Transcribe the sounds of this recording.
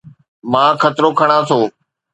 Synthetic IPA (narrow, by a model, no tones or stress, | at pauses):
mãːkʰət̪ɾoːkʰəɽ̃ãːt̪ʰoː